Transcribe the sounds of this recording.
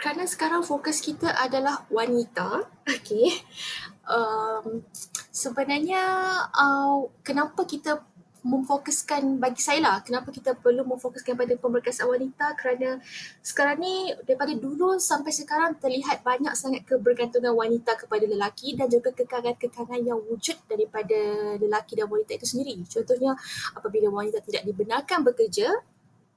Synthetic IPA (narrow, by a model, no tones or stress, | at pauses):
kəɾanasə̥kaɾaŋfokʊskit̪aʔadalahwanit̪aoke | ʔəmsəbənarɲaəkənapakit̪a | mə̃mfokəskanbaɡisajalahkənãpakit̪əpərlumə̃mfokʊskanpadapəmbərkasanwanit̪akəɾanasə̥kaɾaŋnidaɾipadadulusampajsəkaɾaŋt̪ərliɦat̪̚baɲaksaŋat̪̚kəbərɡant̪uŋanwanit̪akəpadaləlakidand͡ʒuɡakəkaɡankəkaŋanjaŋwud͡ʒʊt̪̚daɾipadaləlakidanwanit̪ait̪usəndiɾit͡ʃɔnt̪ɔhɲaapabilawanit̪at̪idaʔ̚dibənarkanbəkərd͡ʒa